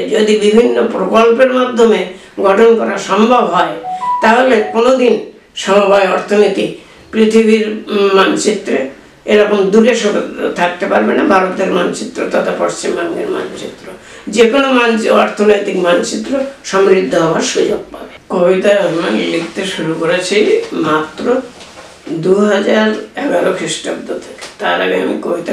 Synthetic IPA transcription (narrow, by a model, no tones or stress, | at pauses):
d͡ʑod̪ibibʱinːopɾokolpeɾmad̪ʱːome | ɡɔʈʰonkɔɾaʃɔmbʱabɦɔet̪aɦolekonod̪in | ʃɔmobʱajɔɾt̪ʰonit̪i | pɾit̪ʰibiɾmant͡ɕit̪ːɾe | eɾɔkomd̪uɾeʃot̪ʰak̚t̪epaɾbenabʱaɾot̪eɾmant͡ɕit̪ːɾo̰t̪at̪ʰapoɾst͡ɕimband̪ḛɾma̰not͡ɕit̪ːɾo | d͡ʑekonomanɔɾt̪ʰonojt̪ikmant͡ɕit̪ːɾoʃɔmɾid̪ʱːoɦɔoaɾʃud͡ʑoɡ̚pabekobit̪aabimanlikt̪eʃuɾukoɾet͡ɕʰijmat̪ːɾo | d̪uɦad͡ʑaɾɛɡaɾokʰɾiʃʈab̚d̪ot̪ʰe̥ke̥t̪aɾa̰ɡḛa̰mḭkobʱit̪a